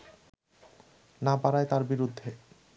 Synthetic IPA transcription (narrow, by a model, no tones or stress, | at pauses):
nabaɾajt̪aɾbiɾud̪ʱːe